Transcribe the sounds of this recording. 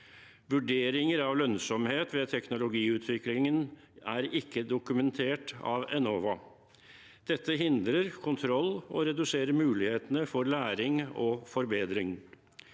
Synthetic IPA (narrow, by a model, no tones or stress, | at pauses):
ʋʉɖeːɾɪŋəɾɑʋlœnsɔmheːt̪ʋɛt̪ʰɛknʊlʊɡiːʉːt̪ʰʋɪklɪŋən | æɾɪkːəd̪ʊkʉmɛnt̪ʰeːʈɑ̰ʋɛnɔːʋɑ | d̪̥ɛt̪ːəɦɪnd̪ɾəɾkʰʊnt̪ʰɾɔlːɔ̰ɾɛd̪ʉseːɾəɾmʉːlɪheːt̪ənəfɔɾlæːɾɪŋɔfɔɾbeːd̪ɾɪŋ